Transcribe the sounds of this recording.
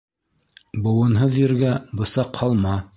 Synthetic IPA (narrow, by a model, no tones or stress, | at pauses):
bŏwɤ̆nɦɤðjɘ̆ɾɡæbɤ̆sɑqhɑlˠmɑ